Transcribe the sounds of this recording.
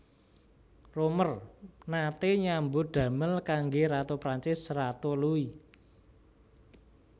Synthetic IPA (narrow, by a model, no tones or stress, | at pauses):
romərnat̪eɲambod̪̥ä̤məlkaŋɡeɾat̪opɾaɲt͡ʃɪsrat̪olui